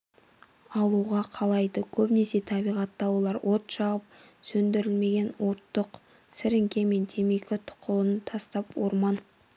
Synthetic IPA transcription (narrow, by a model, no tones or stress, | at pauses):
ɑlˠuʁɑqʰɑlˠɑjd̪əkʲʰɵpne̞se̞t̪ʰɑbijʁɑt̪ːɑwolˠɑɾwʔo̞t̪ʃɑʁəp̚sɵnd̪ɪɾɪlme̞ɡʲe̞nwo̞t̪ːəq | sɪɾɪŋkʲe̞me̞nt̪ʰe̞mekʲɪt̪ʰʊ̥qəlˠənt̪ʰɑst̪ɑpwo̰ɾmɑn